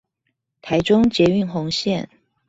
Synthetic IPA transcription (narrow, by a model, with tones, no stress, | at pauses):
t̪ʰa˧˥ɪʈ͡ʂʊ˥ŋt͡ɕjɛ˧˥y˥˧nxʊ˧˥ŋɕjɛ˥˨n